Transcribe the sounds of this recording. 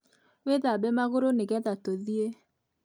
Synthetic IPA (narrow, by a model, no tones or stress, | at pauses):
weðabɛmaɣoɾoneɣɛðatoðie